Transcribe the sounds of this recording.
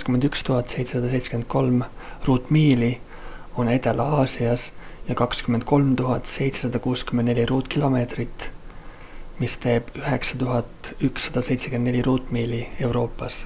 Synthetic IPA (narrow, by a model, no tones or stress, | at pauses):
skymend̪ykst̪uɦɑt̪ːˑse̞jt̪se̞sɑd̪ɑse̞jt̪sekend̪̚ko̞lm | ruːt̪ːˑmiːli | o̞ne̞t̪e̞lɑːsiɑsjɑkɑkskymːend̪̥̚ko̞lmt̪uɦɑt̪ˑse̞jt̪se̞sɑd̪̥ɑkuːskymend̪nelʲiɾuːt̪ˑkilo̞me̞ːt̪rit̪ | mist̪e̞ːb̥yɦe̞ksɑt̪uɦɑt̪ˑyksːɑd̪̥ɑse̞jt̪sekend̪nelʲiɾuːt̪ːˑmiːlie̞wɾo̞ːpːˑɑs